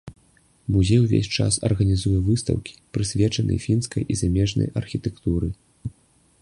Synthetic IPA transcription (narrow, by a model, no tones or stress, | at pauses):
muzʲejwvʲḛsʲt͡ʂa̰sɐ̰rɣɐnʲizujɛvɨst̪ɐ̰wkʲi̥pɾɨsʲvʲɛt͡ʂɐnʔɐ̰jfʲinskɐjʔizamʲɛʐnɐ̰jʔɐrxʲit̪ɛkt̪uɾɨ